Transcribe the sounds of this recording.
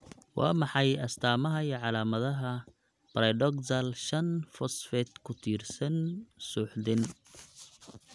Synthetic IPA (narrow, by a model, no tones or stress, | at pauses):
wɑ̰ːmɑħɑjɐst̪ʰaːmɐɦɐiʕɑlaːmɐðɐɦɐ | bɐɾɐɖɔksɐlʃɐnfɔsfɛt̪kʰʊt̪ʰiːrsɐnsuːħd̪ɪn